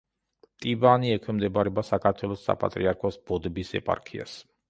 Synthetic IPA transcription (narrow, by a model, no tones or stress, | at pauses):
t̪ʼibaniɛkʰwɛmd̪ɛbaɾɛbasakʰaɾt̪ʰwɛlˠɔsːa̰pʼa̰t̪ʼɾiaɾkʰɔsb̥ɔd̪ɛbisɛ̰pʼa̰ɾkʰia̰s